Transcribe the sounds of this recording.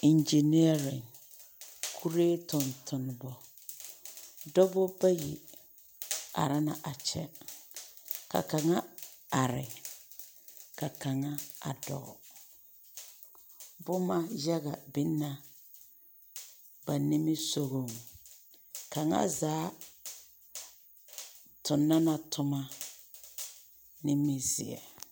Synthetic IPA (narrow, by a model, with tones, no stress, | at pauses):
ɪ˨nd͡ʒi˨ni˦a˦ɾɪ˨ŋ | kʰu˦ɾeː˦tʊ˨ntʰʊ˨n˨bɔ˨ | dɔ˦bɔ˦ba˦ji˨ | a̰˨ɾa˦na˨ʔa˨t͡ʃɛ˦ | ka̰˨ka˨ŋa˦a˨ɾɪ̰˨ | ka˨ka˨ŋa˦a̰˨dɔ̰˨ɣɔ˨ | bʊ˦ma˦ja˦ɣa˨bɪ˦nːa˦ | ba˨nɪ˦mɪ˦so˦ɣo˦˨ŋ | ka˨ŋa̰˦zaː˨˦ | tʰʊ˨nːa˦na˨tʰʊ˦ma˦ | nɪ˦mɪ˦zɪ̰˨ɛ̰˨